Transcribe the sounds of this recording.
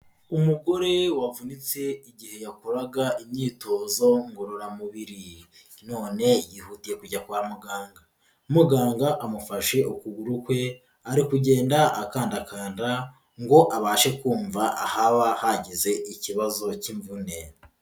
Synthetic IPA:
umuɡo̞ɾe̞wavunit͡se̞iɟihe̞jakuɾaɡaimɲiːto̞ːzo̞ŋɡoɾoɾamuβiɾi | no̞ːne̞jihutije̞kuɟakuɾamuɡaːŋɡa | muɡaːŋɡaʔamufaʃe̞ukuɡuɾukwe̞ | aɾikuɟe̞ːndaʔakaːndakaːnda | ŋɡo̞ʔaβaːʃe̞kuːɱvaʔahaβahaɟeze̞ʔiciβazo̞ciɱvune

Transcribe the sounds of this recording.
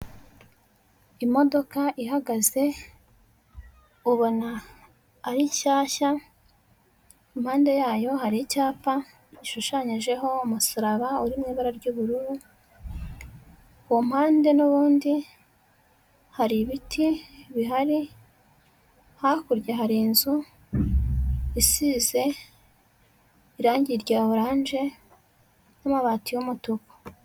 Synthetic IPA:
imo̞do̞kaʔiɦaɡaze̞ | uβonaː | ɾicaːça | imhaːnde̞jaːjo̞haɾicaːpa | iʃuʃaɲiʒe̞ɦo̞umusuɾaβauɾimŋiːβaɾaɾɟuβuɾuɾu | wom̥haːnde̞nuβuːndi | haɾiβitʰiβiɦaɾi | hakuɾɟeɦaɾinzu | isize̞ | iɾaːɲɟiɾɟaːoɾaːɲʒe̞ | namaβaːtijomutoko̥

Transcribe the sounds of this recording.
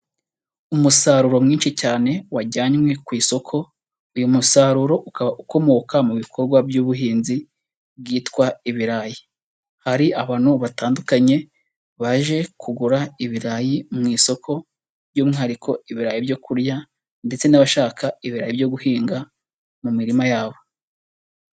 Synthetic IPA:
umusaɾuɾo̞mŋiːnʃicaːne̞waɟaɲŋwe̞kwiːso̞kʰo̞ | ujumusaɾuɾo̞ʔukaβauko̞mo̞ːkamuβikʰo̞ɾɡwabjuːβuɦiːnzi | bɡiːtkwaiβiɾaji | haɾiʔaβaːn̥uβataːndukaɲe̞ | βaʒe̞kuɡuɾaiβiɾajimŋiːso̞kʰo̞ | bjuːmŋihaɾikʰo̞iβiɾajibjo̞kuɾja | nde̞t͡se̞naβaʃaːkaiβiɾajibjo̞ɡuhiːŋɡa | mumiɾimajaːβo̞

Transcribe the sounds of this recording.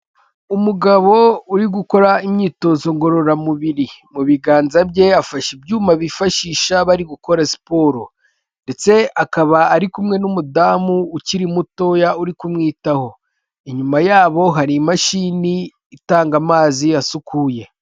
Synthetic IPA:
umuɡaβo̞uɾiɡuko̞ɾaimɲiːto̞zo̞ŋɡo̞ɾo̞ɾamuβiɾimuβiɡaːnzabɟe̞afaʃibjuːmaβifaʃiːʃaβaɾiɡuko̞ɾasi̥po̞ːɾo | nde̞t͡se̞akaβaːɾikumŋe̞numudaːmuːciɾimuto̞jauɾikumŋiːtaho̞ | iɲumajaːβo̞ɦaɾimaʃiniː | taːŋɡamaːziasukuːje̞

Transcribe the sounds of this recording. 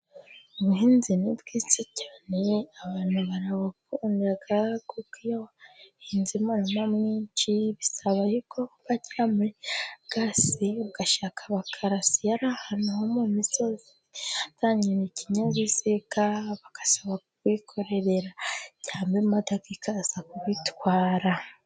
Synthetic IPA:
uβuhiːnzinibɡit͡sicaneaβaːnhuβaɾawafuːndaɡakukijawahiːnzimanamamŋiːnt͡ʃiβisaβajukʰoβaciɾamuɾeɡ̥asiβuɡ̥aʃakʰaβakʰaɾasijaɾahanuhomumisozi | ataɲiɾeciɲazisekaβakḁsaβakukwikʰo̞ɾe̞ɾe̞ɾaɟaːmbematakikʰazakuβitwaːɾa

